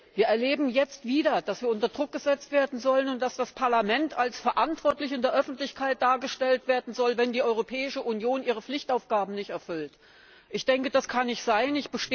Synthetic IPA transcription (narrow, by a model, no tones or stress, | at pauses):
viːɐɛɐleːbm̩jɛt͡stv̥iːdɐd̥asv̥iːɐʔʊntɐdʁʊk̚ɡ̥əzɛt͡stv̥eːɐdn̩zɔlənʊnt̚d̥asd̥aspʰaɐlamɛntʰalsfɛɐʔantv̥ɔɐtlɪçɪndeːɐʔœfn̩tlɪçkʰaɪt̚d̥aːɐɡəʃtɛltv̥eːɐdn̩zɔlvɛndiːʔɔʏʁ̞opʰɛːɪʃəʔunjoːnʔiːʁ̞əflɪçtaʊfɡ̥aːbm̩nɪçtɛɐfʏlt | ʔɪçd̥ɛŋkəd̥askʰanɪçz̥aɪnɪçb̥əʃte